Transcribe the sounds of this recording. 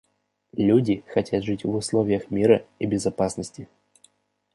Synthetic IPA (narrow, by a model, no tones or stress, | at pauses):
lʲudʲɪxɐtʲat̪ʐɨtʲvʊslˠovʲɪjəxmʲiɾəibʲɪzɐpasnəsʲtʲɪ